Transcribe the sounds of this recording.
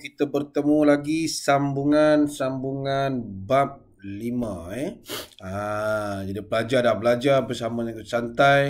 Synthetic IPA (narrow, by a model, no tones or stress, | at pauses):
kit̪əbərt̪əmulaɡisambuŋansambuŋanbap̚ | limə̃ɛad͡ʒadipəlad͡ʒardahbəlad͡ʒarbərsamanət̪ut̪sant̪aj